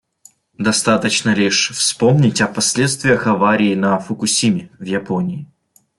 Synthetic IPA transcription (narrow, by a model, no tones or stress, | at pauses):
d̪ɐst̪at̪ət͡ɕnəlʲiʂfspo̞mnʲɪtʲɐpɐsʲlʲe̞t̪st̪vʲɪjəxɐvaɾʲɪːnɐfəkʊsʲimʲɪvjɪponʲɪː